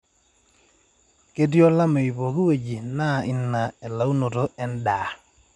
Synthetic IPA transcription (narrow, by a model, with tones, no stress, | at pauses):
ke˦djɔ˦la˦me˨i˨po˨ki˦we˨d͡ʒi˨na˦˨ʔi˨nːa˨ɛ˨la˨˦u˦no˨to˦ɛ˦n˦da˨